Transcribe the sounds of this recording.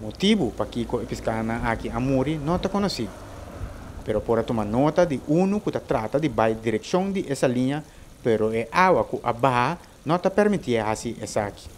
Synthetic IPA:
mot̪ibupakikoepiskanɐakiɐmuɾinõt̪ɐkonosi | peɾopoɾɐt̪omanot̪ɐd̪iʔunukut̪ɐt̪ɾat̪ɐd̪ibajd̪iɾeksjõŋd̪iʔesɐliɲɐ | peɾoeʔawɐkuʔabaɦa | nõt̪ɐpeɾmit̪ieasiʔesaki̥

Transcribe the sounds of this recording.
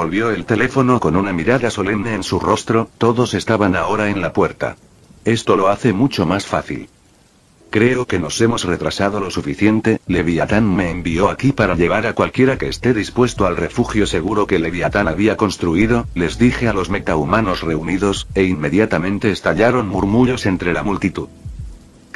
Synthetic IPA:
bo̞lβjo̞e̞lt̪e̞le̞fo̞no̞ko̞nunamiɾaðaso̞le̞mne̞ːnsuro̞st̪ɾo̞t̪o̞ðo̞se̞st̪aβanao̞ɾae̞nlapwe̞ɾt̪a̰ | e̞st̪o̞lo̞aθe̞mut͡ʃo̞masfaθḭl | kɾe̞oke̞no̞se̞mo̞sre̞t̪ɾasaðo̞lo̞sufiθje̞nt̪e̞le̞βiat̪anme̞ːmbio̞akipaɾaʎe̞ɣ̞aɾakwalkje̞ɾake̞ːst̪eðispwe̞st̪o̞alre̞fuxjo̞se̞ɣ̞uɾo̞ke̞le̞βiat̪anaβiako̞nst̪ɾuiðo̞le̞zðixe̞alo̞zme̞t̪aumano̞sre̞uniðo̞se̞inmːe̞ðjat̪amẽ̞nt̪e̞ːst̪aʎaɾo̞nmuɾmuʎo̞se̞nt̪ɾe̞lamult̪it̪uð

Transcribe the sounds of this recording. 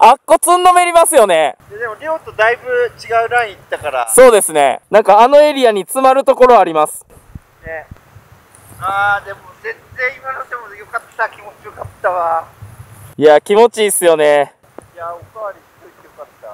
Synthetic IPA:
akːo̞t͡sɨnːo̞me̞ɾʲimasɨjo̞ne̞jad̪emoɾʲoːt̪o̞d̪aibɯ̟t͡ɕiɡaɯ̟ɾãɰ̃it̪ːakaɾaso̞ːd̪e̞sɨne̞̰nãŋkaːno̞e̞ɾʲiaɲ̟it͡sɨmaɾɯ̟t̪o̞ko̞ɾo̞aɾʲimasɨ̥ | ne | aːd̪e̞mozẽ̞nzẽimanad̪emojo̞kat̪ːakʲimo̞t͡ɕio̞kat̪ːaβa | jakʲimo̞t͡ɕiːsɨjo̞ne̞ | jaokaβaɾʲisoit̪jokat̪ːa

